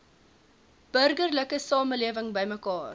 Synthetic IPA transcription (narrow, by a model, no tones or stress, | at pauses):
b̥ərɡərləkəsɑːməliəvəŋbəjməkɑːr